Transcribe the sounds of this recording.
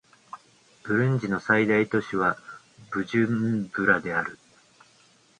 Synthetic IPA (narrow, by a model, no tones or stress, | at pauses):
b̥ɯ̟ɾɯ̟̃ɲ̟d͡ʑino̞said̪ait̪o̞ɕiβ̞a | b̥ɯ̟ʑɨmbɯ̟ɾad̪e̞aɾɯ̟